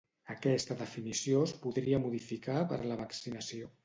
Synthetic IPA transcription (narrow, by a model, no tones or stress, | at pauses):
əkɛst̪əðəfinisiospuðɾiəmuðifikapə̰ɾləβəksinəsio